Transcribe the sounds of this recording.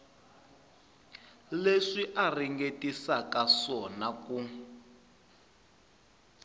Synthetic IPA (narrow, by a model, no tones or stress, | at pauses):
leʂiʔariŋɡetisakaʂɔnaku